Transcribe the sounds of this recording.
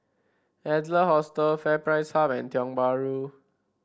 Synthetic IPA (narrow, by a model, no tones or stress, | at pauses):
ɛdləhɔstəlfɛpɹaɪshapɛ̃ntjɔ̃ŋbaɹu